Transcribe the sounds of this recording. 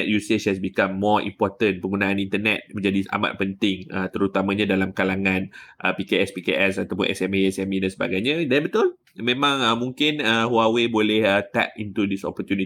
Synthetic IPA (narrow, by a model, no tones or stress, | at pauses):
ɛt̪̚juseshɛsbikãmːɔḭmpɔt̪ənpəŋɡunaanint̪ənɛ̰t̪̚mə̃ɲd͡ʒadia̰ma̰t̪̚pənt̪ɪŋə̰t̪əɾut̪amãɲãdalamkalaŋãnʔəpikeɛspikeʔɛsat̪awpʊ̰nʔɛ̰sɛmeɛsɛmidansəba̰ɡajɲãdanbət̪ʊl | mẽmãŋəmũŋkɪnəhuawebolɛhət̪ɛ̰k̚int̪udisɔ̰pɔt̪juni